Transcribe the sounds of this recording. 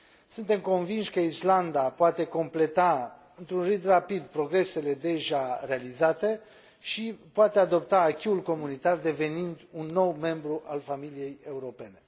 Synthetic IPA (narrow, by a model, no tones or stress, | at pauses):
sunt̪e̞mko̞nvinʃʲkəisland̪apoat̪e̞ko̞mple̞t̪a | ɨnt̪ɾunrɨd̪rapid̪pɾo̞ɡɾe̞se̞le̞d̪e̞ʒare̞alizat̪e̞ | ʃipoat̪e̞ad̪o̞p̚t̪aːkʲiulko̞munit̪ard̪e̞ve̞nind̪unːo̞wme̞mbɾuʔalfamilije̞je̞uɾo̞pe̞ne̞